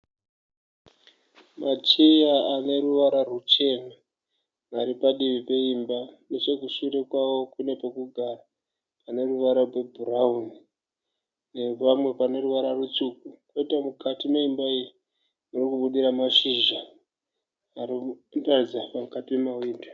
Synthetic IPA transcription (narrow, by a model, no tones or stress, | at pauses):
mat͡ʃejaane̞ɾuʋaɾarut͡ʃe̞ma | naɾipaɗiʋipe̞imbane̞t͡ʃe̞kuʃuɾe̞kwawo̞kune̞pokuɡʱaraː | ne̞ruʋaɾawebʱurauni | ne̞pamwe̞pane̞ɾuʋaɾarut͡sukukoitamukatimo̞imbairi | nurikuɓuɗiɾamaʂiʒa | rindarid͡zapamukatimemawiːnda